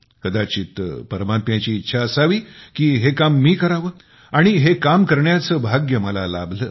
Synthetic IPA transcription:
kəd̪at͡ɕiːt̪pəɾmat̪jãt͡ɕiːt̪ːɕʰaəsaʋiːkiːɦekamːiːkəɾaʋəː | aɽ̃iɦekamkəɾɳjat͡səːbʱaɡjəməla̰la̰bləː

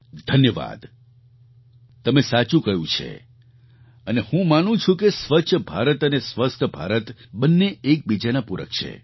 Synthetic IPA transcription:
d̪ʱənjəʋa̰d̪ | t̪əmesat͡ʃũkəjũt͡ʃʰḛ | ənehũmanũt͡ʃʰũkesʋət͡ʃʰbʱa̰ɾət̪ənesʋəst̪ʰbʱa̰ɾət̪bənːeek̚bid͡ʒanapuɾə̰k̚t͡ʃʰḛ

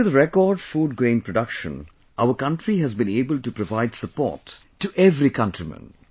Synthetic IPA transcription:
əðəɾɛkɔːɖfuːɖ̚ɡɾẽɪ̃npʰɹəɖʌkʃə̰̃n | ʔaʊəkʌ̃ntɾiɦæzbĩneːbəlʈupɾɔvaɪdsəpɔ̰ːtː | uʔɛvɾikʰʌ̃ntɾimə̰̃n

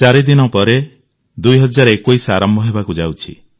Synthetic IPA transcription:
t͡ʃaɾid̪inɔpɔɾe | d̪ujɦɔd͡ʒaɾɔekoisaaɾɔmbʱɔɦebakud͡ʒawt͡ʃʰḭ

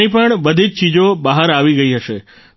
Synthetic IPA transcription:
ipəɳbəd̪ʱid͡ʒt͡ʃid͡ʒobaɦəɾaʋiɡəiɦəʃe

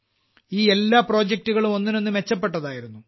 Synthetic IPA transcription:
iːe̞lːaːpro̞ːd͡ʑek̚tuɣɐɭumo̞nːino̞nːɨme̞t͡ɕːɐp̬ːe̞ʈːɐðaːjiɾunːu

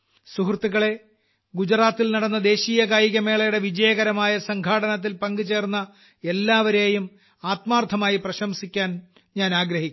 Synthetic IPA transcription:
suɦrt̪ːuɣɐɭe̞ | ɡud͡ʑraːt̪ːilnɐɽɐnːɐd̪e̞ːɕiːjɐkaːjiɣɐme̞ːɭɐjuɽe̞ʋid͡ʑɐjɐɣɐɾɐmaːjɐsɐŋɡʱaːɽɐnɐt̪̬ːilpɐŋɡɨt͡ɕe̞ːrnːɐ | e̞lːaːʋɐɾe̞ːjum | aːt̪maːrt̪ʰːɐmaːjiprɐɕɐmsikʲːaːn | ɲaːnaːɡɾɐɦikʲː

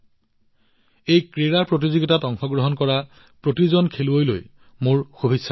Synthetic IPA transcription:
ejkɹeɹaɹpɹotizoɡitatɔŋxɔɡɹɔɦɔnkɔɹa | pɹotizɔnkʰeluojlo̰j | moɹxobʱisːa

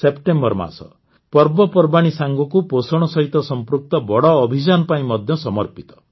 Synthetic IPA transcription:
sepʈembɔɾma̰sɔ̰ | pɔɾbɔpɔɾbaɽ̃isaŋɡɔkuposɔɽ̃ɔsɔɦit̪ɔsɔmpɾuk̚t̪ɔbɔɽɔːbʱid͡ʒanɔpaĩmɔd̪ʱjɔsɔmɔɾpit̪ɔ̥

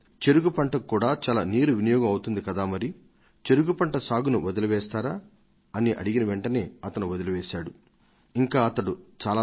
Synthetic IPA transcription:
t͡ʃe̞ɾuɡupɐɳʈɐkːuːɽaːt͡ʃaːlaːniːɾuʋinɐjɔːɡɐmɐwut̪und̪ikɐd̪aːmɐɾi | t͡ʃe̞ɾuɡupɐɳʈɐsaːɡunuʋɐd̪ɐluʋɛːst̪aːɾaː | ɐniʔɐ̰ɽiɡinɐʋeɳʈɐne̞ːɐt̪ɐnuʋɐd̪ɐluʋɛːʃaːɽu | iŋkaːɐt̪ɐɽut͡ʃaːlaː

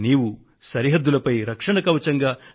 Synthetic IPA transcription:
niːwu | sɐɾiɦɐd̪ːulɐpɐjɾɐkʂɐɳɐkɐʋɐt͡ʃɐŋɡaː

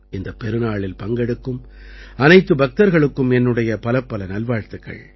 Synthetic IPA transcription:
ɪnd̪ɐpːɛɾɯnaːɭɪlpɐŋɡɛɽɯkːɯm | ɐnɐɪt̪ːɯbɐk̚t̪ɐɾɣɐɭɯkːɯmɛnːɯɽɐjɐpɐlɐpːɐlɐnɐlʋaːɻt̪ɯkːɐ̰ɭ

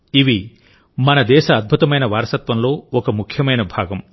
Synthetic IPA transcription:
iʋi | mɐnɐd̪ɛːʃɐːd̪̚bʱut̪ɐmɐjnɐʋaːɾɐsɐt̪ʋɐmlo̞ːɔkɐmukʰjɐmɐjnɐbʱaːɡɐm

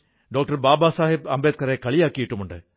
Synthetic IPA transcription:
ɖoːk̚ʈɐɾbaːbaːsaːɦɪbɐmbeːt̪̚kɐɾekɐɭɪjaːkːiɪʈːɯmʊɳɖɐ̰

